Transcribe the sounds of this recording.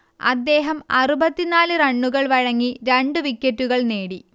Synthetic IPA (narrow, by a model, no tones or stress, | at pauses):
ɐ̰d̪ːe̞ːɦɐmɐrubɐt̪ːinaːlɨrɐɳːuɣɐɭʋɐɻɐŋːiɾeɳɖɨʋikʲːɐtːuɣɐɭneːɽi